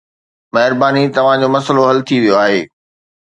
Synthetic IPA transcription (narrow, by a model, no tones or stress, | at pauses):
mɐɦɪɾbaːnit̪ɐʋ̤ãd͡ʑoːmɐsəloɦɐlt̪ʰiʋijoaːɦeː